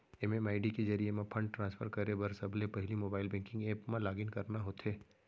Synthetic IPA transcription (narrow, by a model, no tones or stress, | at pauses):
ɛmemaːɪɖikezɐɾiemẽpʰɐ̃ɳɖ̚ʈɾãːnsfʰəɾkɐɾebɐɾsɐbʱlepɐɦɪlimoːbaːɪlbɛ̃ːŋkɪ̃ŋɡeːpmãlaːɡɪnkɐɾnaɦoːt̪eː